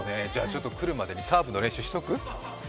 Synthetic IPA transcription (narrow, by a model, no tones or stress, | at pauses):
ne̞d͡ʑaːt͡ɕo̞t̪ːo̞kɯ̟ɾɯ̟mad̪e̞ɲ̟isaːbɯ̟no̞ɾẽ̞ɕɨːɕi̥o̞kɯ̟